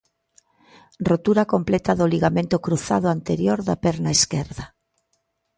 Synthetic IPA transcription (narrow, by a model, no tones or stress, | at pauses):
rot̪uɾakomplɛt̪aðʊliɣamẽnt̪ʊkɾuθa̰ðʊant̪eɾjoɾðapɛɾnaeskɛɾðɐ